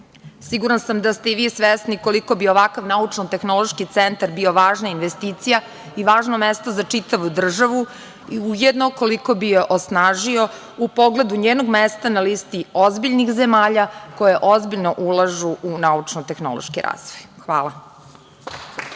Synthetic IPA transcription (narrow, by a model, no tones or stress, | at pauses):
siɡuɾansamd̪ast̪e̞iʋiːsʋesniko̞liko̞bio̞ʋakaʋnaut͡ʂnot̪e̞xno̞lˠo̞ʃkit̪sent̪aɾbio̞ʋaːʒnainʋest̪iːt̪sija | iʋaːʒnomest̪ozat͡ʂit̪aʋud̪r̩ʒaʋu | iujed̪no̞ko̞liko̞bijeʔosnaːʒio̞ | upoɡle̞d̪uɲeːno̞ɡmest̪analiːst̪iozbiʎnixzemaːʎako̞jeʔozbiʎnoʔulˠaʒuʔunaut͡ʂnot̪e̞xno̰lˠo̰ʃkiɾa̰ːz̥ʋojxʋaːlˠa